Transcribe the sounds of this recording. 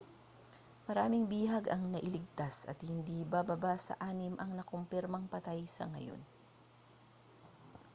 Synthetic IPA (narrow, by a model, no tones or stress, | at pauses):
mɐɾaːmɪŋbiːɦɐɡɐŋnɐʔɪlɪɡ̚t̪asɐ̰t̪̚hɪnd̪iːbabɐbasɐ̰ʔaːnɪmʔɐŋnɐkompɪɾmɐŋpɐt̪ajsɐ̰ŋɐ̰jo̞̰n